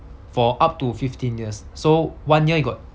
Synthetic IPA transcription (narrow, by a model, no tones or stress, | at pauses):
fɔʔap̚tufiftĩnjiəsːowãnjiəhiɡɔt̚